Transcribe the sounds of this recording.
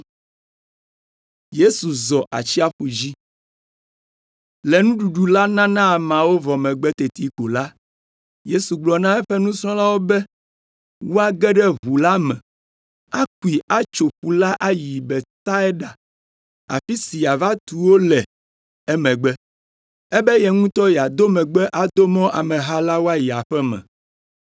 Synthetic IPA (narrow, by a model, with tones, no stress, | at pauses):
je˦su˨zɔ˨ʔa̰˨t͡ɕi˦a˦ɸu˨d͡ʑi˦ | lɛ˨nũ˦ɖu˨ɖu˨la˦nã˦nã˦˨mã˨wo˦vɔ˨mɛ̃˨ɡ͡bɛ˦t̪e˨t̪i˦ko˨la˦ | je˦su˨ɡ͡blɔ˨nã˦ɛ˦ɸɛ˦nũ˦sɾɔ̃˦la˦wo˦bɛ˦ | wo˦a˦ɡɛ˦ɖɛ˦βu˨la˦mɛ̃˨ | a˦k̚u˨i˨a˦t͡ʃo˨ɸu˨la˦ʔa˦ji˨bɛ˨t̪a˦ɛ˦ɖa˨ | a̰˨fi˦si˨a˨va˦t̪u˨wo˦lɛ˨ | ɛ˦mɛ̃˨ɡ͡bɛ˦ | ɛ˦bɛ˦jɛ˨ŋũ˦t̪ɔ˦jɛ˨a˨d̪o˦mɛ̃˨ɡ͡bɛ˦ʔa˨d̪o˦mɔ̃˦ʔa˨mɛ̃˨ɦa˦la˦wo˦a˦ji˨a˨ɸɛ˦mɛ̰̃˨